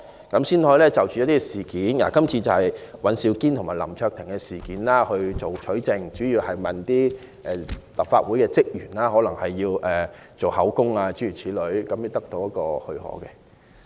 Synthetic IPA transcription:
kɐ˨˥msiː˥nhɔː˧˥jlɛː˥t͡sɐ˨wt͡ʃy˨ɔ˦˥t̪iː˥˧siː˨˩kiː˨˥nja̰ː˨˩kɐ˥mt͡sʰiː˧t͡sɐ˨whɐ˨˩jwɐ˨˥nsiː˧wkiː˥nt̪ʰʊ˨˩ŋmaː˨jlɐ˨˩mt͡ʃʰœː˧k̚t̪ʰɪ˨˩ŋkɛ˧siː˨˩kiː˨˥nlaː˥hɵ˧ɥt͡so˨˩wt͡ʃʰɵ˨˥t͡sɪ˨˧ŋt͡ʃyː˨˥jiː˧whɐ˨jmɐ˨nt̪iː˥ | ʔɛː˨˩lɐ˨p̚faː˧t̚wuː˨˥jkɛː˧t͡sɪ˥k̚jyː˨˩nlaː˥ɦɔː˨˥lɐ˨˩ŋhɐ˨jːiː˧wɛː˨ | t͡so˨˩whɐ˨˥wkʊ˥ŋaː˧t͡ʃy˨˥jyː˨˩t͡sʰiː˨˥lɵ˨˧ɥkɐ˨˥mji˧wt̪ɐ˥k̚t̪o˧wjɐ˥t̚kɔː˧hɵ˧ɥhɔ̰ː˨˥kɛ˧

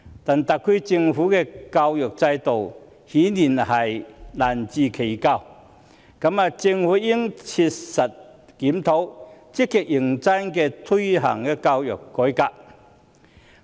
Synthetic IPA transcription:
t̪aː˨˩nt̪a˨˩k̚ʰːi˧˥t͡sɪ˧ŋfuː˨˥kɛː˧kaː˧wjœː˨˩k̚t͡sɐ˧jt̪o˨w | hiː˨˥niː˨˩nhɐ˨˩jlaː˨˩nt͡siː˧kʰe˨˩jka˧w | kɐ˨˧˥ma˧t͡sɪ˧ŋfuː˨˥ji˥ŋt͡sʰi˧t̚sɐ˨˩t̚ | kiː˨˥mt̪ʰo˨˥wt͡sɪ˥kːi˧˨k̚ji˨˩ŋt͡sa˥nkɛː˧t̪ʰu˥jɦɐ̰˨˩ŋkɛː˧kaː˧wjœː˨˩kːɔː˨˥jkaː˧p̚

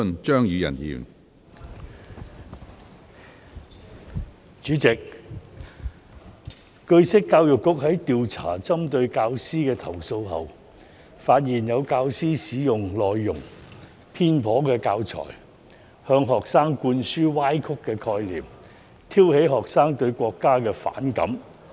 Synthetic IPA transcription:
nt͡ʃœː˥ŋjiː˨˧jɐ̰˨˩njḭː˨˩n | t͡ʃyː˨˥t͡sɪ˨k̚ | kɵ˧ɥsɪ˥kːaː˧wjʊ˨kːʊ˥k̚ɦɐ˨˥jt̪iː˨wt͡sʰa̰ː˨˩t͡sɐ˥mt̪ɵ˧ɥkaː˧wsiː˥kɛː˧t̪ʰɐ˨˩wso˧wɦɐ̰˨w | faː˧t̚jiː˨˩njɐ˨˧wkaː˧wsiː˥siː˨˥jʊ˨ŋlɔː˨jːʊ˨˩ŋ | pʰiː˥npʰɔː˨˥kɛː˧kaː˧wt͡sʰɔ̰ː˨˩j | hœː˧ŋɦɔː˨ksaː˥ŋkuː˧nsyː˥waː˥jkʰʊ˥kːɛː˧kʰɔː˧jlḭː˨˩m | t̪ʰiː˥whe˨˥jɦɔː˨˩ksaː˥ŋt̪ɵ˧ɥkʷɔː˧kːaː˥kɛː˧fa̰ː˨˥nkɐ̰˨˥m

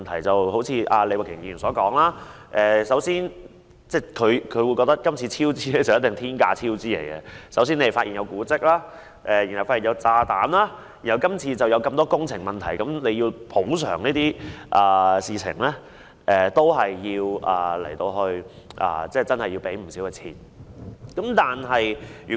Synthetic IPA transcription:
nt̪ʰɐ˨˩jt͡sɐ˨who˨˥wt͡sʰiː˧ʔaː˧le˨˧wa˨˩kʰɪ˨˩ŋji˧˨˩nsɔː˨˥kɔː˨˥ŋlaː˥ | ʔɛː˨sɐ˨˥wsiː˥n | t͡sɛː˥˩kʰɵ˨˧ɥkʰɵ˨˧ɥwu˨˧jkɔ˧t̪t̚kɐ˥mt͡sʰiː˧t͡sʰiː˥wt͡siː˥le˧˥˩jt͡sɐ˨wjɐ˥t̪̚ɪ˨ŋt̪ʰiː˥nkaː˧t͡sʰiː˥wt͡siː˥lḛ˨˩jkɛ˧sɐ˨˥wsi˥ne˧˨˩fa˧t̚ʔi˨njɐ˨˧wkuː˨˥t͡sɪ˥k̚laː˥ | ʔɛ˨˧ji˨˩nhɐ˨˩wfaː˧i˨˩jɐ˨˧wt͡saː˧t̪aː˨˥mlaː˥ | ji˨˩nhɐ˨˩wkɐ˥mt͡sʰiː˧t͡sɐ˨wjɐ˨˧wkɐ˧mt̪ɔː˥kʊ˥ŋt͡sʰɪ˨˩ŋmɐ˨nt̪ʰɐ˨˩jkɐ˨˥mne˨˧ji˧wpʰo˨˥ws̬œ̰ː˨˩ŋniː˥t̪iː˥ʔɐː˨˩siː˨t͡sʰɪ̰˨˩ŋlɛ˥ | ʔɛː˨t̪o˥wɦɐ˨jːiː˧wɐ̰ː˨˩lḛ˨˩jt̪o˧wɦɵ˧ɥ | ʔɐ̰ː˨t͡sɛː˥˩t͡sɐ˥nhɐ˨jːi˧wpe˨˥jm̩˨˩siː˨˥wkɛː˧t͡sʰiː˨˩n | kɐ˨˥mt̪aː˨nɦɐ˨jjyː˨˩

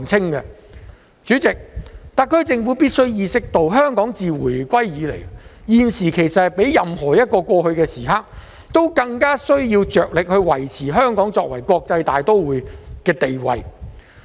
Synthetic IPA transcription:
ŋt͡sʰɪ˥ŋkɛ˧ | t͡syː˨˥t͡sɪ˨k̚t̪a˥kʰːɵ˥ɥt͡sɪ˧ŋfu˨˥piː˥t̚sɵ˥ɥjiː˧sɪ˥k̚t̪o˧wɦœː˥ŋkɔː˨˥ŋt͡siː˨wu˨˩jkʷɐ˥jjiː˨˧lḛ˨˩jjiː˨˧nsiː˨˩kʰe˨˩jsɐ˨pe˨˥jjɐ˨mhɔː˨˩jɐ˥t̚kɔː˧kʷɔː˧hɵ˧ɥkɛː˧siː˨˩ɦaː˧˥k̚ | t̪o˥wkɐ˧ŋkaː˥sɵ˥ɥjiː˧wt͡ʃœː˨k̚lɪ˨k̚hɵ˧ɥwɐ˨˩jt͡sʰiː˨˩ɦœː˥ŋkɔː˨˥ŋt͡sɔː˧k̚wɐ̰˨˩jkʷɔː˧k̚t͡sɐ˧jt̪aː˨jt̪o˥wwuː˨˩jkɛː˧t̪e˨jwɐ̰˨j

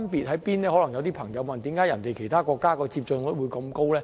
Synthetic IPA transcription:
npiː˨t̚ɦɐ˨˥piː˥nlɛː˥hɔː˨˥lɐ˨˩ŋjɐ˨˧wt̪iː˥pʰɐ˨˩ŋjɐ˨˧wmɐ˨nt̪i˨˥mkaː˨˥jɐ˨˩nt̪e˨jkʰe˨˩jt̪ʰaː˥kɔː˧kːaː˥kɔː˧t͡siː˧p̚t͡ʃɵ˧nɔː˨˦˥wuː˨˧jkɐ˧mko˥wlɛː˥

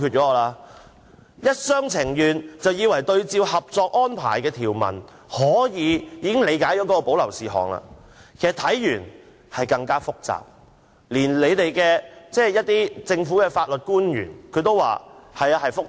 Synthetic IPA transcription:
ky˧t͡ʃɔː˨˥˨laː˧ | jɐ˥t̚sœː˥ŋt͡sʰɪ˨˩ŋjyː˨nt͡sɐ˨wjiː˨˧wɐ˨˩jt̪ɵ˧ɥt͡siː˧whɐ˨p̚t͡sɔː˧k̚ʔɔː˥npʰa̰ː˨˩jkɛː˧t̪ʰiː˨˩wmɐ̰˨˩n | hɔː˨˥jiː˨˧jiː˨˧kɪ˥ŋle˨˧jkaː˨˥jɔː˨˥kɔː˨˥kɔ˧po˨˥wlɐ˨˩wsiː˨ɦɔ̰ː˨˩ŋla̰ː˧ | kʰe˨˩sɐ˨˩t̪ʰɐ˨˥jjyː˨˩n | hɐ˨jkɐ˧ŋkaː˥fʊ˥k̚t͡sa̰ː˨p̚ | liː˨˩nle˨˧jt̪e˨jkɛː˧t͡sɛː˥˩jɐ˥t̚t̪iː˥t͡sɪ˧ŋfuː˨˥kɛː˧faː˧t̚lɵ˨t̚kuː˥njy̰ː˨˩nkʰɵ˨˧t̪o˥wa̰ː˨hɐ˨ja˧hɐ˨jfʊ˥k̚

